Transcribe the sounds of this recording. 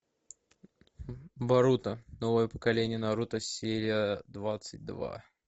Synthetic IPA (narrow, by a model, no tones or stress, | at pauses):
bɐɾut̪ənovəjəpə̥kɐlʲenʲɪjənɐɾut̪əsʲeɾʲɪjəd̪vat̪sɨt̚ʲd̪va̰